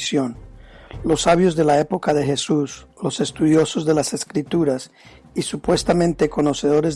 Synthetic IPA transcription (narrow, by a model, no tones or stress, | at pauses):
sjo̞nlo̞sːaβ̞jo̞zðe̞lae̞po̞kaðe̞xe̞suslo̞se̞st̪uðjo̞so̞zðe̞lase̞skɾit̪uɾas | isupwe̞st̪amẽ̞nt̪e̞ko̞no̞se̞ðo̞ɾez